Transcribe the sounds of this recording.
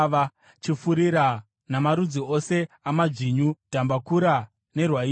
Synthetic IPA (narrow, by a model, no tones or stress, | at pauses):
a | t͡ʃifuɾiɾa | namaɾud͡zio̞se̞amad͡ʐiɲud̥ʱambakuɾa | ne̞rwai